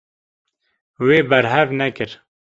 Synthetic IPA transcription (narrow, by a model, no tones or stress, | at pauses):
weːbɛɾɦɛvnɛkɨɾ